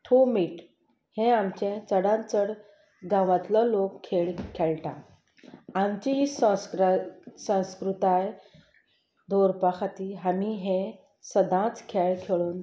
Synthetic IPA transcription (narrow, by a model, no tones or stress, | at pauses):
ʈʰumiːʈ | hẽamt͡ɕẽt͡səɽãnt͡səɽ | ɡãʋat̪lɔlokkʰeɭkʰeɭʈã̰ | amt͡ɕiɦis | sə̃wskɾut̪aj | d̪ʱoɾpakʰat̪iːɦamiɦẽ | səd̪ʱãt͡skʰeɭkʰeɭuːn